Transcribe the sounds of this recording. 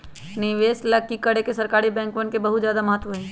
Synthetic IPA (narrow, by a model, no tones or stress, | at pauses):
nɪʋeːslakːikɐɽekesɐɾkaːɾibɛ̃ːŋkʋənkebɐɦʊt̪zjaːd̪amɐɦət̪ʋəɦɛː